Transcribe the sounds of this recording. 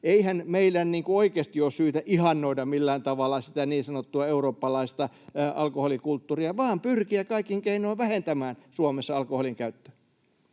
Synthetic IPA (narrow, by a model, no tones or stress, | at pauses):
eihænmeilːænniːŋkuoikeːst̪ioːssyːt̪æʔihɑnːoidɑmilːæːnt̪ɑʋɑlːˑɑsit̪æniːsɑnot̪ːuɑeuroːpːɑlɑist̪ɑ | ʔɑ̰lkoholikult̪ːuriɑʋɑːmpyrkiækɑikːiŋkeinoːʋʋæhent̪æmæːnsuɑmesːɑɑlkoholiŋkæyt̪ːø̥